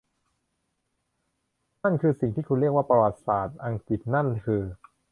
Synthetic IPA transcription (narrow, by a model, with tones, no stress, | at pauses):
na˥˩nkʰɯː˧si˨˩ŋt̪ʰiː˥˩kʰu˧nɾi˥˩ək̚waː˥˩pa˧wa˨˩t̪̚saː˨˩t̪̚ʔa˧ŋki˨˩t̪̚na˥˩nkʰɯː˧